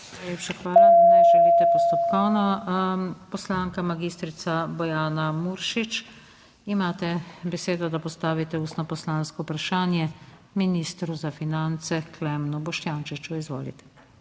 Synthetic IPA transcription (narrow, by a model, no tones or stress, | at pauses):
najleːpʃaxʋaːlanajʒɛlit̪ɛpɔst̪ɔp̚kɔwna | pɔslaːŋkamaɡist̪ɾit̪sabɔjaːnamuɾʃit͡ʃ | imaːt̪ɛbɛseːd̪ɔd̪apɔst̪aːʋit̪ɛuːst̪nɔpɔslaːnskɔupɾaʃaːnjɛ | minist̪ɾuzafinant̪sɛklɛmnubɔʃt̪jaːnt͡ʃit͡ʃuizʋo̰ːlḭt̪ɛ̥